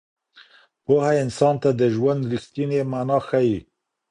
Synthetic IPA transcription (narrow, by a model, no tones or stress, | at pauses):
pohaɪnsɑnt̪ad̪əʒwand̪ɾixt̪inemanɑxaji